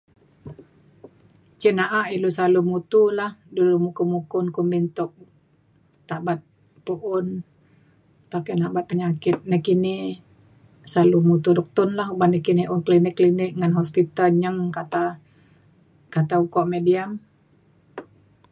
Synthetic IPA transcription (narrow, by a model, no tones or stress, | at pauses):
t͡ʃinaʔaʔilusalumut̪ulahdulumukumukʊnkʊnbint̪ʊk̚ | t̪aʔbat̪̚ | puʔʊn | p̪akanabat̪̚pəɲakɪt̪̚nəkini | salumut̪udɔk̚t̪ʊnlahɦubahnəkiniʔʊnklinɪkːlinɪk̚ŋanɦɔspit̪alɲəŋkat̪a | kat̪aukɔʔmediam